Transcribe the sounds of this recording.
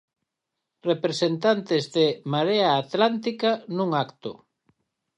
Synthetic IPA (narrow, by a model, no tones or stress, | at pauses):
repɾesent̪ant̪ɪzðemaɾeaːt̪lant̪ikanũŋakt̪ʊ̰